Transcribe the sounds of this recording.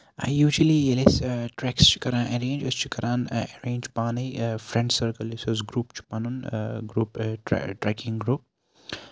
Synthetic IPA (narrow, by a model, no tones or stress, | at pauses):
a̰jjuːd͡ʒəlielesʈɾɛkst͡ʃʰi̥kɐɾãːnʔɐɾẽːnd͡ʒɐst͡ʃʰi̥kɐɾãːnɛɾẽːnd͡ʒpaːnɐjfɾɛ̃ɳɖsəɾkəlisɐzɡɾuːpt͡ʃʰu̥pɐnunɡɾuːpʈɾɛkɪ̃ŋɡɾuːp̚